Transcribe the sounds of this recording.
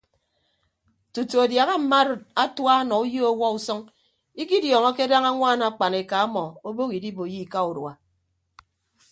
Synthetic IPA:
tu˨tu˨a˨dja˨ɣa˦m̩˨ma˦ɾt̚a˦twa˦nɔ˨u˦ji˦o˦wɔ˦u˨sɔ˦ŋ | i˦ki˦djɔː˨ŋɔ˦ke˦da˦ŋa˦ŋʷaː˦˨na˨k͡pa˨ne˨ka˨a˦mɔ˨o˦bo˦ki˨di˦bo˨ji˦˨ka˦u˨dwa̰˨

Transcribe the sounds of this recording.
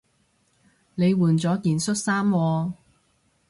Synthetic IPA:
ne˨˧jwuː˨˩nt͡sɔː˨˥kiː˨nsɵ˥t̚saː˥mwɔː˧

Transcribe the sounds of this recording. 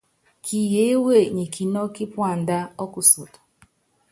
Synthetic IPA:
kʰi˨je˦we˦˨ɲi˨ki˨nɔ˦ki˦pʊ˦a˨n̩˨da˦ɔ˦kʊ˦so˨tʊ̥˨

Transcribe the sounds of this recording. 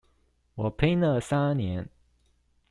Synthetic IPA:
wɔ˨˩pʰe˥ɪnə˥˧˨sa˥njɛ˧˦n

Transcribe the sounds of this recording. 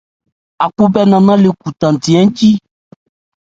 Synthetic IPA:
a˨ku˦bɛ˦nã˨nã˦le˨ku˨t̪ã˨n̩˨tĩ˨ɛ̃˦n̩˦t͡ʃi˦

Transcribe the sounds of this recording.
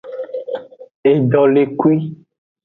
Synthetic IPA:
e˨ɖɔ˨le˨ku˦i˦

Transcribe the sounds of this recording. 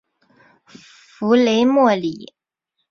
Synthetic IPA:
fu˧˥le˧˥ɪmwɔ˥˩li˨˩˦

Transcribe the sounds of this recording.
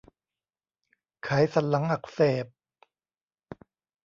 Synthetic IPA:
kʰa˨˩˦jsa˨˧˦nla˨˦ŋʔa˨˩k̚seː˨˩p̚

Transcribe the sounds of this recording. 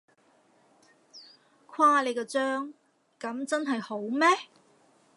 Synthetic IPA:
kʰwaː˧˥le˨˧jkɛː˧t͡sœː˥ŋ | kɐ˨˥mt͡sɐ˥nɦɐ˨jho˨˥wmɛː˥

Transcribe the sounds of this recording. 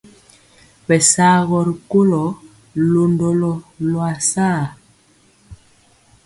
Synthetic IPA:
bɛ˨saː˦ɣɔ˨ɾi˨ko˦lɔ˨ | lo˨ndo˨lɔ˨lwa˨saː˦˨

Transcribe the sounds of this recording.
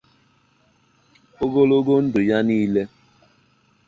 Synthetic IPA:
o˦ɡo˦lo˦ɡo˦n̩˦dʊ˨ja˦niː˦le˦

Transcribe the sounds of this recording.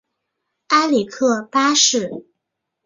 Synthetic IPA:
a˥li˨˩kʰɤ˥˩pa˥ʂɻ̩˥˩

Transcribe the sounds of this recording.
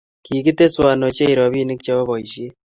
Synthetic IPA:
kiː˨ki˦te˦swa˨no˨t͡ʃe˦iɾɔ˨βi˦ne˦kt͡ʃa˦βɔ˦βɔ˨i˨ʃi˦

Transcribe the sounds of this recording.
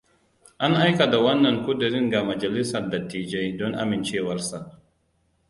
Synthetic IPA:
ʔa˦ŋʔa˦jka˨da˨wɐ˦nːɐ˨ŋkʷʊ˦dʊ˨ɾɪ˦ŋɡa˨mɐ˨d͡ʒɐ˨lɪ˦sɐ˨rda˨tiː˨d͡ʒa˦jdɔ˦ŋʔa̰˦mɪ˨nt͡ʃeː˦wɐ˦rsa˨ʔ

